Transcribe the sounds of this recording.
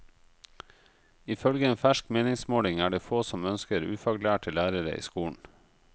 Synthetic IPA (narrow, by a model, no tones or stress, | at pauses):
ɪfœlɡəeːnfæʃkmeːnɪŋsmoːlɪŋæːɖeːfoːsɔmœnskəɾʉ̰ːfɑɡlæːʈʰɪlæːɾəɾə̰ʔḭːskuːɳ̩